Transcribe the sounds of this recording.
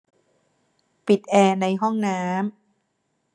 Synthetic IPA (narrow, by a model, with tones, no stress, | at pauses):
pi˨˩t̪̚ʔɛː˧˩na˧jɦɔ˥˩ŋnaː˦˥m